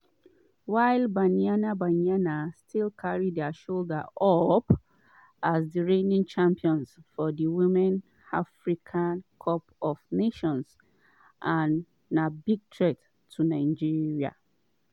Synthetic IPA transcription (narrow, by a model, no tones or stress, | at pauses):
waɪlbãnianabãnianastʰilkʰaɹidɛʃoldaʔɔp | azdəɹẽnĩŋt͡ʃʰãmpiɔ̃nsfɔdəwĩmɛ̃n | afɹikʰãnkʰɔpɔfneʃɔ̃ns | ʔãnː | abiɡ̚tʰɹɛt | tʰːunãɪd͡ʒiɹia̰